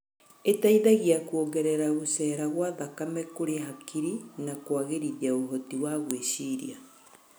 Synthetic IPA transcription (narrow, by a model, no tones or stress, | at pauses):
etaiðaɣiakuoɡɛɾɛɾaɣosɛːɾaɣwaːðakamɛkoɾeɦakiɾinakwaɣeɾiðiaoɦotiwaɣweɕiɾḭa